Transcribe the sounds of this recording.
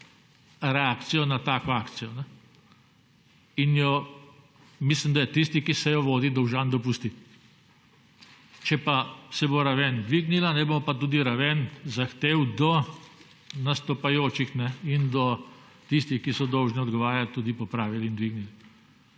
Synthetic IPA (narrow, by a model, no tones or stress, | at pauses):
ɾɛaːkt̪sijɔnat̪aːkɔaːkt̪sijɔnɛ | injɔ | mislimd̪ajɛt̪ist̪ikisɛjɔʋoːd̪id̪ɔwʒand̪ɔpust̪it̪ | t͡ʃɛpasɛboɾaʋɛnd̪ʋiɡnilanɛbomɔpat̪uːd̪iɾaʋɛnzaxt̪eːwd̪ɔ | nast̪ɔpajoːt͡ʃixnɛind̪ɔ | t̪ist̪ixkisɔd̪ɔwʒnɛɔd̪ɡɔʋaːɾjalt̪ud̪ipɔpɾaːʋilind̪ʋiɡnili